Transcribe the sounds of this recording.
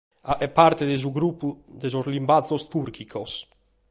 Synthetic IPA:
aɛpːaɾt̪ed̪ezuɡɾupːud̪ezozlimbazost̪uɾkʰikʰos

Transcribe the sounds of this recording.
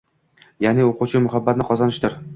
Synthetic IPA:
janɪoquwt͡ʃʰɪmʊɦabːat̪nɪqʰɒzanɪʃd̪ɪɾ

